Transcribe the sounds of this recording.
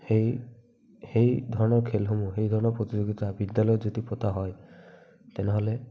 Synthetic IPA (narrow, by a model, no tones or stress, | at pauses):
hej | hejd̪ʱɔɹɔnɔɾkʰelɦomuɦejd̪ʱɔɹɔnɔɾpɾot̪id͡ʒoɡit̪abid̪jalɔjd͡ʒɔd̪ipɔt̪aɦɔj | t̪eneɦɔle